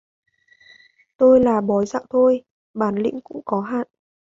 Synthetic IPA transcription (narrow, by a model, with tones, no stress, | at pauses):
t̪o˧jlaː˨˩ɓɔ˨˦jza̰ː˧˨wt̪ʰo˧j | ɓaː˧˩nlḭ˧˥ŋ̟kʊ̰˧˥ŋ͡mkɔ˨˦ɦa̰ː˧˨nʔ